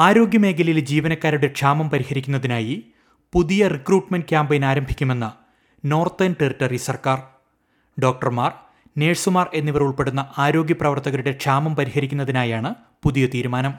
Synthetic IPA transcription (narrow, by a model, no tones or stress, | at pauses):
aːɾo̞ːɡjɐme̞ːkʰɐlɐjild͡ʑiːʋɐnɐkːaːɾuɽe̞kʂaːmɐmpɐɾihɐɾikʲːunːɐðinaːji | puðijɐrikruːʈmɐnɖkʲjaːmbɐjinaːɾɐmbʱikʲːume̞nːɐ | no̞ːrt̪enʈeriʈːɐrisɐrkaːr | ɖo̞ːk̚ʈɐrmaːr | ne̞ːsumaːre̞nːiʋɐruɭpe̞ɽunːɐʔaːɾo̞ːɡjɐprɐʋɐrt̪ɐɣɐlɾuɽe̞ʈʂaːmɐmpɐɾihɐɾikʲːunːɐðinaːjaːɳɨ | puðijɐt̪iːɾumaːnɐm